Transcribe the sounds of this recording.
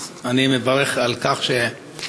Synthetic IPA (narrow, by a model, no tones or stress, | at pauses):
animevaʁeχalkaχʃe